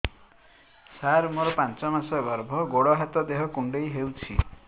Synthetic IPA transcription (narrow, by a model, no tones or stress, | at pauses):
saɾumɔɾɔpant͡ʃɔmasɔjbɔɾbʱɔɡoɽɔɦat̪ɔd̪eɦɔkuɳɖejɦewt͡ʃʰḭ